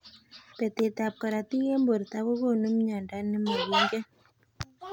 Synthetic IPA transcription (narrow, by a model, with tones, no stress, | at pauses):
pɛ˨t̪e˨t̪a˨p̚ka˨ɾa˨ti˦ɣe˦mbo˨ɾt̪a˦ko˦ko˦˨nu˦mɲa˨nda˦nɛ˦ma˨wi˦ŋɡɛ˦